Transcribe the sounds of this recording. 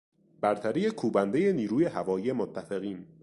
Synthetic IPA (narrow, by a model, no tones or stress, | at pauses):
b̥æɾt̪ʰæɾeje̞kʰuːbænd̪e̞je̞niːɾuːje̞ɦævɒːjije̞mot̪ʰːæfe̞ɣiːn